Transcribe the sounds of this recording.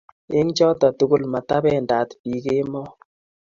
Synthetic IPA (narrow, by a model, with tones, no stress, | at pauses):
e˦ŋt͡ʃɔ˦tɔ˨tu˦ɡu˦lma˨ta˦bɛ˦˨nda˨tpi˨ke˦mɔ˦